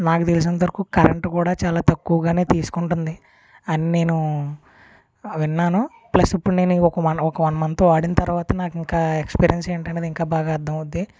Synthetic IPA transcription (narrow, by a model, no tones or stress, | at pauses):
naːkut̪elis̬inɐt̪ɐɾukukɐɾḛɳʈkuːɽaːt͡ʃaːlaːt̪ɐkːuʋɐɡaːne̞ːt̪iːsu̥kuɳʈund̪i | ɐnine̞ːnu | ʋinːaːnu | plɐsipːuɽune̞ːnuiɔkɐmɐnɔkɐmɐnɐmɐnt̪oːaːɽinɐt̪ɐɾuʋaːt̪ɐnaːkiŋkaːekspiːɾijɐnseːɳʈɐɳɖeːd̪iŋkaːbaːɡaːd̪ʱːɐmud̪ːi